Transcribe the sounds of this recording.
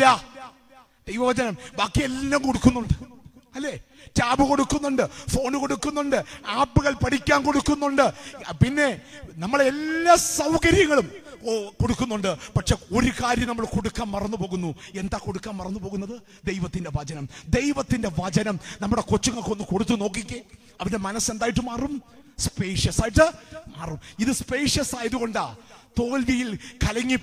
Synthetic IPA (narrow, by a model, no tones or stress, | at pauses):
a | d̪̥ejʋɐʋɐd͡ʑɐnɐmbaːkːielːɐmkoɽukːunːuɳɖɨɐlːeː | taːbɨko̞ɽukːunːuɳɖɨfo̞ːnuko̞ɽukːunːuɳɖɨaːpːɨɣɐɭpɐɽikʲːaːnko̞ɽukːunːuɳɖɨpinːe̞nɐmːɐɭelːaːsɐwkɐɾjɐŋːɐɭumko̞ɽukːunːuɳɖɨpɐʈʂeo̞ɾukaːɾjɐmnɐmːɐɭko̞ɽukːaːmmɐrɐnːupo̞ːɣunːue̞nd̪aːko̞ɽukːaːmːɐrɐnːupo̞ːɣunːɐðɨ | d̪ejʋɐt̪ːinde̞ʋɐd͡ʑɐnɐmd̪e̞jʋɐt̪ːinde̞ʋɐd͡ʑɐnɐmnɐmːuɽe̞ko̞t͡ɕːuŋːɐɭkonːɨkoɽut̪̬ːuno̞ːk̬ːikʲːɐ | ɐʋɐnde̞mɐnɐse̞nd̪aːjiʈ̬ːɨmaːrumspe̞ːʂjɐsaːjiʈ̬ːɨmaːrumiðɨspe̞ːʂjɐsaːjɐðuɣo̞ɳɖat̪o̞ːlʋijilkɐlɐŋːi